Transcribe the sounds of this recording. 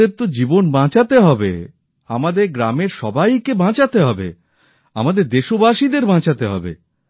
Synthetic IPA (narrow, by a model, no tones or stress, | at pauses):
eɾt̪od͡ʑibonbãt͡ɕat̪eɦɔbḛ | amad̪eɾɡɾameɾʃɔbajkebãt͡ɕat̪eɦɔbḛ | a̰mad̪eɾd̪eʃobaʃid̪eɾbãt͡ɕat̪eɦɔ̰bḛ